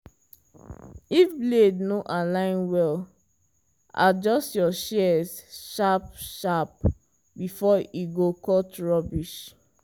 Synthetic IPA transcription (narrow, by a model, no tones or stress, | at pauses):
ifblednoʔalãɪ̃nwɛl | a̰d͡ʒɔstjɔʃɛsʃap̚ʃap̚ | bifɔiɡokɔtɹɔbiʃ